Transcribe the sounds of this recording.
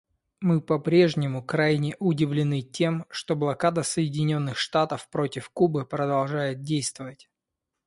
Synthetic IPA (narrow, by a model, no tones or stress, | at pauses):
mɨpɐpɾʲe̞ʐnʲɪmʊkɾajnʲɪʔʊdʲɪvlʲɪnɨtʲe̞mʂt̪oblˠɐkad̪əsəjɪdʲɪnʲo̞nːɨxʂt̪at̪əfpɾo̞tʲɪfkubɨpɾəd̪ɐlˠʐajɪt̪̚dʲejst̪vəvətʲ